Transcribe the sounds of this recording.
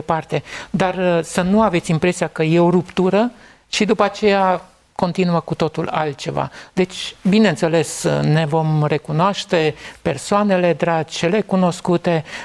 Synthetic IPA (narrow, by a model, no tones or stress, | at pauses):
epart̪e̞d̪arsənuave̞t̪sʲimpɾe̞sijakəje̞oɾupt̪uɾə | ʃid̪upəat͡ʃe̞ja | ko̞nt̪inuəkut̪o̞t̪ula̰lt̪̚t͡ʃe̞va̰d̪̥e̞t͡ʃʲbineɨnt̪se̞le̞sne̞vo̞mre̞kunoaʃt̪e̞pe̞̰rsoane̞le̞d̪ɾat͡ʃelekuno̞skut̪e̞